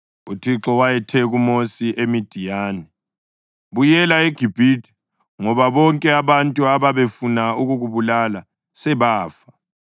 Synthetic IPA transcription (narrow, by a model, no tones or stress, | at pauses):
utʰiǁɔwajɛtʰɛɣumosiʔemid̥ʱijaːnɛ | βujɛlaeɡ̥ʱib̥ʱitʰi̥ | ŋɔβaβɔŋkʼɛaβantʼuaβaβefunauɣuɣuβulala | sɛβaːfḁ